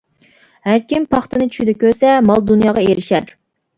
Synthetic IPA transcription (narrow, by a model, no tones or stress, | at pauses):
hæɾkʲimpʰɑχt̪ɨnɨt͡ʃʰy̥ʃid̪ɛkʲøɾsɛmɑlˠd̪unjɑːʁɑeɾɪʃæɾ